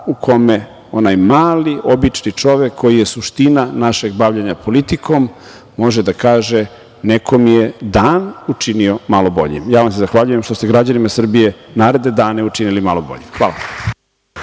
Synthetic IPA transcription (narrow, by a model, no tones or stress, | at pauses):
ukʰo̞me | onajmaːliʔo̞bit͡ʃnit͡ʂo̞ʋekʰːo̞jije̞suʃt̪inanaʃe̞ɡbaʋʎaɲapʰo̞lit̪ikʰo̞mː | o̞ʒed̪akaːʒe | nekʰomijed̪aːnut͡ʂinio̞malo̞bo̞̰ʎḭmjaːʋamsezaxʋaʎuje̞mʃt̪ost̪eɡɾad͡ʑanimasr̩bije̞naːɾe̞d̪ne̞d̪aːneut͡ʃinilimalo̞bo̞̰ʎimxʋaːla̰